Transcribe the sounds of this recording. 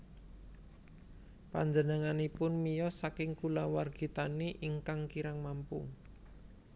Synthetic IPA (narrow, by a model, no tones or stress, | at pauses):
pa̰ɲd͡ʒənəŋanipʊnmijɔsakɪŋkulawarɡ̥i̤t̪aniʔiŋkaŋkiɾaŋmampṵ